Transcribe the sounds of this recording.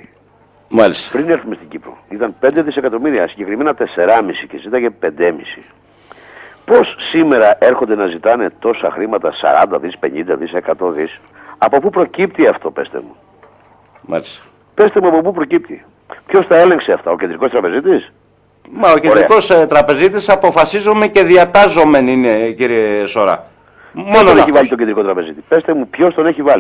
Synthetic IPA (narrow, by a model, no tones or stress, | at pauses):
mɐlist̪ɐ̥pɾineɾθmist̪iɟipɾo̰it̪ɐnpe̞nd̪eðise̞kɐt̪o̞miɾiɐsiɲɟe̞kɾime̞nɐt̪e̞se̞ɾɐmisicezit̪ɐcepe̞nd̪emisi | po̞sːime̞ɾɐʔe̞ɾxo̞nd̪e̞nɐzit̪ɐne̞t̪o̞sɐxɾimɐt̪ɐsɐ̰ɾɐnd̪ɐðispe̞ɲind̪ɐðise̞kɐt̪o̞ðis | ɐpo̞pupɾo̞cip̚t̪iɐft̪o̞pe̞st̪ḛmu | mɐ̰list̪ɐ̥ | pe̞st̪emuɐpo̞pupɾo̞cip̚t̪i | pço̞st̪ɐele̞ŋkseɐft̪ɐocend̪ɾiko̞st̪ɾɐpe̞zit̪is | mɐocenɾɾeko̞st̪ɾɐpe̞zit̪isɐpo̞fɐsizo̞mece̞ðiɐt̪ɐzo̞me̞nine̞ciɾieso̞ɾɐ̰ | mononeçivɐʎit̪ocend̪ɾiko̞t̪ɾɐpe̞zit̪ipe̞st̪e̞mupço̞st̪o̞neçivɐli